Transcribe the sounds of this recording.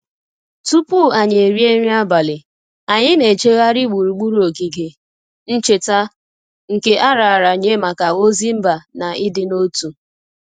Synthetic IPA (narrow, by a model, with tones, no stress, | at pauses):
tu˦pu˦˨a˨ɲ˨e˨ɾi˦e˦ɾi˦a˦ba˨lɪ˨ | a˨ɲɪ˦ne˨t͡ʃe˦ɣa˦ɾi˦ɡ͡bu˨ɾu˨ɡ͡bu˦ɾu˦o˨ɡi˨ɡe˨ | n̩˦t͡ʃe˨ta˦ | ŋ̩˨ke˦ʔa˦ɾa˨a˨ɾa˨ɲe˦ma˨ka˨o˦zi˦m̩˦ba˨na˨ʔɪ˦dɪ˦no˦tu˨